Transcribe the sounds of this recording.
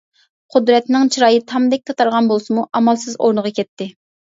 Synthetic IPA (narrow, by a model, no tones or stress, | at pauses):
qʰʊd̪ɾɛt̪nɪŋt͡ʃʰiɾɑːjit̪ʰɑmd̪ɛk̚ʲt̪ʰɑt̪ʰɑɾʁɑnbolˠsɨmuʔɑmɑlˠsɨzo̰ɾnəʁɑkʲɛt̪ːɪ